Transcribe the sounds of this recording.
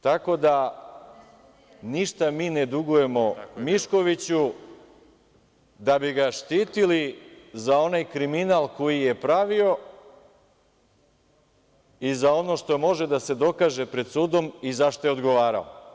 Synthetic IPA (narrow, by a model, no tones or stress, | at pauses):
t̪ako̞d̪a | niʃt̪amiːned̪uɡuje̞mo̞miʃko̞ʋit͡ɕu | d̪abiɡaʃt̪iːt̪ilizao̞najkɾiminalˠko̞jije̞pɾaʋio̞ | izao̞no̞ʃt̪o̞mo̞ʒe̞d̪ase̞d̪o̞kaːʒe̞pɾe̞d̪suːd̪o̞mizaʃt̪ojeo̞d̪ɡo̞ʋaːɾa̰o̰